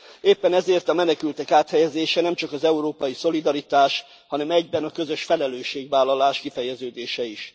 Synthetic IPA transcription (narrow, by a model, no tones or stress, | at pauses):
eːpːɛnɛzeːrt̪ɒmɛnɛkylt̪ɛkaːt̪hɛjɛzeːʃɛnɛmt͡ʃɒkɒzɛuɾoːpɒjiso̞lid̪ɒɾit̪aːʃ | hɒnɛmɛɟbɛnɒkø̞zøʃfɛlɛløːʃːeːɡʋaːlːɒlaːʃkifɛjɛzøːd̪eːʃɛiʃ